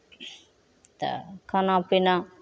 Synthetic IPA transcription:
t̪a̰kʰanãpina

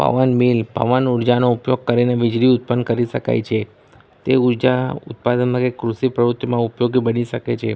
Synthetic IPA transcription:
pə̰ʋənmilpə̰ʋənuɾd͡ʒanoupjoɡ̚kəɾineʋɪd͡ʒɾiʊt̪̚pənkəɾiʃəka̰jt͡ʃʰe | t̪euɾd͡ʒaʊ̰t̪̚pad̪ənmãkekɾuʃipɾəɾut̪ːjmãupjoɡibəniʃəket͡ʃʰe

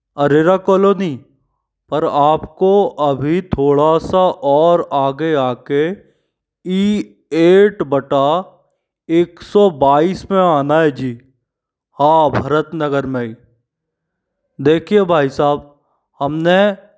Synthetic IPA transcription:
ɐɾeɾakoːloːni | pəɾaːpkoʔɐbʱit̪ʰoːɽasaʔɔːɾaːɡeaːke | iː | eːʈbɐʈa | eːksɔbaːiːsmẽaːnaɦɛd͡ʒiː | hãːbʱɐɾət̪nəɡəɾmẽi | d̪eːkʰiebʱaːisaːb̚ | hɐmne

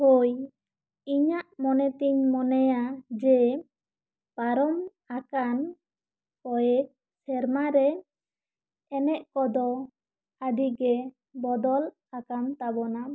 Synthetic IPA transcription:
hoj | iɲaʔmɔnɛt̪iɲmɔnɛjad͡ʒɛ | paɾɔm | akan | kɔjɛ | sɛɾmaɾɛ | ɛnɛʔkɔd̪ɔ | ad̪iɡɛ | bɔd̪ɔl | akamt̪abɔna

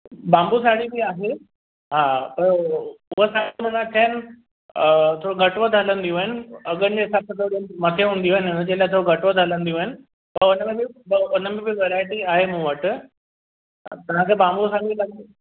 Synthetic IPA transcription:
bãːmbusaːɽibiaːɦe | ɦaːpɐɾʊɦəsaːimɐ̃nat̪ʰanɪ | t̪ʰoːɽoɡʱɐʈʋəd̪ʱələ̃nd̪ijũɦaːɪnɪɐɡənd͡ʑeɦɪsaːb̚t̪ʰoːɽimɐt̪ʰeɦũːnd̪iuʋaːɪnʊnəd͡ʑelaet̪ʰooɡʱɐʈʋəd̪ʱələ̃nd̪iũːɪnɪ̆ | pɐɾʊnəmẽbɪbʊnəmẽbɪʋeɾaːɪʈiaːɦemũːʋəʈ | at̪ɐʋ̤ãkʰebãːmbusaːɽilɐɡ̪

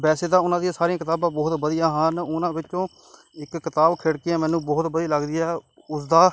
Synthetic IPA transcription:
bɛːseːd̪aːʊnãːd̪ijãːsaːɾijãːkɪt̪aːbãːbɔːt̪bəd̪ijãːɦəːnʊnãːbɪt͡ʃʃõː | ɪkːɪt̪aːbkʰeːɽkiãːmɛ̃ːnũːbɔːt̪bəd̪ijaːləɡd̪ɪjaː | ʊsd̪aː

